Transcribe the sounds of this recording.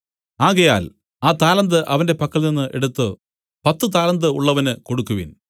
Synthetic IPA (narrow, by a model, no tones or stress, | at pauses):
aːɣɐjaːl | aːt̪aːlɐnd̪ɨʔɐʋɐnde̞pɐkːɐlninːɨʔe̞̰ɽut̪ːɨ | pɐt̪ːɨt̪̬aːlɐnd̪ɨuɭːɐʋɐnɨko̞ɽukːuʋḭn